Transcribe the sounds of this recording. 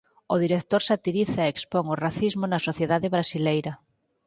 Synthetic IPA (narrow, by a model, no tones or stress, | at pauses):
oð̞iɾek̚t̪oɾsat̪iɾiθaeekspoŋoraθizmonasoθjeðaðeβɾasilejɾa